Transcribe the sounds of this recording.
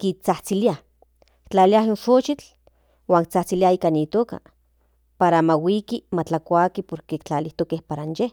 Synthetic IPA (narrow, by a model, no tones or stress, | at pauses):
kit͡saht͡silia | kt͡ɬaliaɦinʃot͡ʃit͡ɬ | waːŋk̚t͡saht͡siliaiːkanit̪oːka̰ | paɾamawikimat͡ɬakʷakipoɾkeːkt͡ɬaliht̪okehpaɾanje